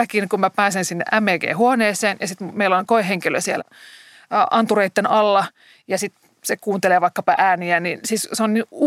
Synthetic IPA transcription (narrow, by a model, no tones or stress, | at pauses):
ækinkummæpæːsensinːḛʔæmːeːɡḛːhuoneːseːnjɑsit̪mmeilːonkoeheŋkilø̰siḛl | ʔɑnt̪ureit̪ːenɑlːɑ | jɑsit̪ | sekuːnt̪eleːʋɑikːɑpɑʔæːniæninsisseonniu